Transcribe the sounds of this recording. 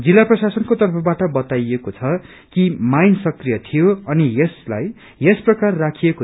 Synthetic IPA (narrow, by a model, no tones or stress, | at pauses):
d͡zilːaprʌsasʌnkot̪ʌrpʰʌbaʈʌbʌt̪ajekot͡sʰʌ | kimajnsʌkrijʌt̪ʰijoʌnijesla̰j | esprʌkarːakʰieko